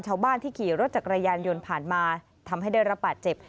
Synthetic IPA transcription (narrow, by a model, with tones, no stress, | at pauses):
nt͡ɕʰaː˦˥˩wbaː˥˩nt̪iː˥˩kʰiː˨˩ɾo˦˥t̪̚t͡ɕa˨˩kɾaː˧jaː˧njo˧npʰaː˨˩nmaː˧ | t̪ʰa˧mɦa˥˩jda˥˩jɾa˦˥p̚baː˨˩t̪̚t͡ɕe˨˩p̚